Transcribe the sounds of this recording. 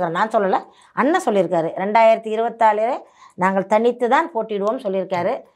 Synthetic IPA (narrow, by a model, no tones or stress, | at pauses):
kɐɾẽːnaːnsɔlːɐlɐ | ʔɐnːɐsɔlːɪɾɯkːaːɾɯɾɛɳɖaːjɪɾɐt̪ːɯɪɾɯbɐt̪ːaːɭɪɾɐ | naːŋɡɐɭt̪ɐɳɪt̪ːɯt̪aːnpoːʈːɪɽɯʋoːmsɔlːɪɾɯkːaːɾɯ